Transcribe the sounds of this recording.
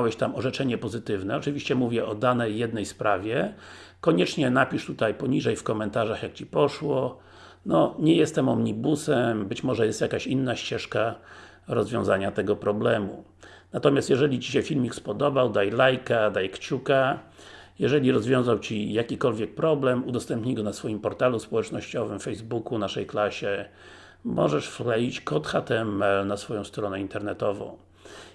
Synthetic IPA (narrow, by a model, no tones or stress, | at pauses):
wɛɕt̪amɔʐɛt͡ʂɛɲɛpɔzɘt̪ɘvnɛɔt͡ʂɘvʲiɕt͡ɕɛmuvʲjɛɔd̪anɛjːɛd̪nɛjspɾavʲjɛ | kɔɲɛt͡ʂɲɛnapʲiʂt̪ut̪ajpɔɲiʐɛjfkɔmɛnt̪aʐaxjak̚t͡ɕipɔʂwɔ | nɔɲɛjɛst̪ɛmɔmɲibusɛmbɘt͡ɕmɔʐɛjɛst̪jakaɕinːaɕt͡ɕɛʂka | ɾɔzvʲjɔ̃w̃zaɲat̪ɛɡɔpɾɔblɛmṵ | nat̪ɔmʲjast̪jɛʐɛlʲit͡ɕiɕɛfʲilmʲikspɔd̪ɔbawd̪ajlajkad̪ajkt͡ɕuka | jɛʐɛlʲiɾɔzvʲjɔ̃w̃zawt͡ɕijakʲikɔlvʲjɛk̚pɾɔblɛmud̪ɔst̪ɛmpɲiɡɔnasfɔjimpɔɾt̪aluspɔwɛt͡ʂnɔɕt͡ɕɔvɘmfɛjzbukunaʂɛjklaɕɛ | mɔ̰ʐɛʂflɛit͡ɕkɔt̪xat̪ɛɛmɛlnasfɔjɔ̃w̃st̪ɾɔnɛint̪ɛɾnɛt̪ɔvɔ̰̃w̃